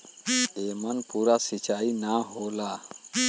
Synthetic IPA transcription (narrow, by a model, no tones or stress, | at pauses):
eːmənpuːɾasit͡ʃaːinaɦoːlaː